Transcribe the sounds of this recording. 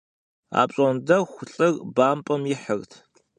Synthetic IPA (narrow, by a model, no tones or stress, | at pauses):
a̰ːpɕʼɔndɐwxʷʊɬʼɨrbaːmpʼɐmjɪħərtʰ